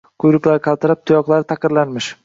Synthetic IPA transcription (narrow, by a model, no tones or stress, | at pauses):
kʰʊjɾɪkʲlaɾqʰɑlˠt̪ɪɾap̚t̪ʰʊjɒqlˠaɾɪt̪ʰaqɪɾlanmɪʃ